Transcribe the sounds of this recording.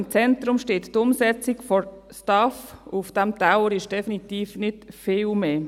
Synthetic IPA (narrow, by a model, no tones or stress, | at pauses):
ɪmt͡sɛnt̪ɾʊmʃteːttʊmsɛt͡sɪkfɔstɑfufd̥ɛmtaʊəɾɪʃd̥ɛfinit̪iːfnɪtfɪːlmeː